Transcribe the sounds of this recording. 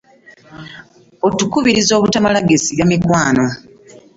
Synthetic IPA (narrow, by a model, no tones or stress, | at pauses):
otukuβiɾizo̞ːβutamalaɡesiβjamikwaːno̞